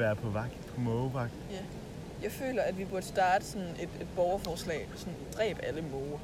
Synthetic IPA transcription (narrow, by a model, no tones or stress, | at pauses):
æːɐpʰɒ̽ʋɑ̈ɡ̥pʰɒmɔʋɑ̈ɡ̥̚d̥ | jɑ̈ɪfø̰ːlɐæd̥ʋib̥uɐd̥əsd̥ɑ̈ːd̥əsɒ̽ne̝d̥e̝d̥̚b̥ɒʊɐfɒːslɛ̰ːsɔ̽nd̥ʁɛ̰ːb̥æləmɔːɐ